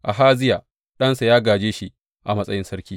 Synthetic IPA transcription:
ʔa˨ɦaː˦zɪ˦ja˨ | ɗɐ˦nsa˨jaː˦ɡaː˨d͡ʒeː˦ʃi˦ | ʔa˨mɐ˦sʼɐ˦jɪ˦nsɐ˦ɾkʲiː˦

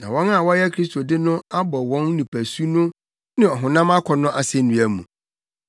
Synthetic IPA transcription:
nã˨wɔ̃˦na˦˨wɔ˦jɛ˦kʰɾi˦stʰo˨dɪ˦nʊ̃˦a˦bɔ˨wɔ̃˦nnĩ˨pʰæ˨su˦nʊ̃˦ | nɪ̃˦ɔ˨ɦʊ̃˨nã˦ma˦kʰɔ˨nʊ̃˦ʔa˨sɛ̃˦˨n̩˦dũ˨˦æ˨mṵ̃˨

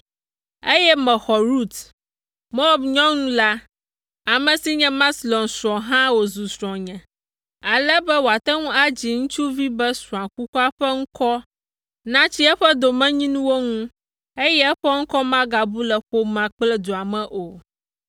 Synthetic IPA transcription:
e˦jɛ˦mɛ̃˨xɔ˨ɾu˦t̪ | mo˦bɲɔ̃˦ŋũ˦la˦ | a˨mɛ̃˨si˦ɲɛ̃˦mã˦slɔ̃˨nsɾɔ̃˨ɦã˦wo˨zu˨sɾɔ̃˨ɲɛ̃˨ | a˨lɛ˦bɛ˦wo˨a˨t̪ɛ˦ŋũ˦a˦d͡ʑi˨ŋũ˦t͡ʃu˦vi˦bɛ˦sũ˨ã˨ku˦ku˦a˦ɸɛ˦ŋ̩̃˦kɔ˦ | nã˦t͡ɕi˦ɛ˦ɸɛ˦d̪o˨mɛ̃˦ɲĩ˦nũ˦wo˦ŋũ˦ | e˦jɛ˦ɛ˦ɸɛ˦ŋ̩˦kɔ˦mã˦ɡa˨bu˦lɛ˨ɸo˦mã˨k͡plɛ˦d̪o˨a˨mɛ̃˨ʔo˨

